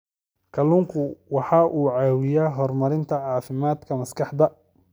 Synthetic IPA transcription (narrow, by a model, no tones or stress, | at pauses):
kʰɐlʊŋkʰʊwɑħɑʔuːʕɑːwɪjaːɦɔrmɐɾɪnt̪ʰɐʕɑːfɪmaːd̪kʰɐmɐskʰɑħd̪ɐ